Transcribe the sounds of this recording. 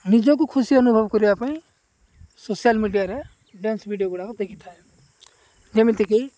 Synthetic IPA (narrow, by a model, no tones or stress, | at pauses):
nid͡ʒõk̬ukʰusiənubʱəbkɔɾiapaːĩ | sosjalmiɖijaɾe | ɖɛ̃nsbʱiɖijoɡuɽakɔd̪ekʰit̪ʰae | d͡ʒemĩt̪iki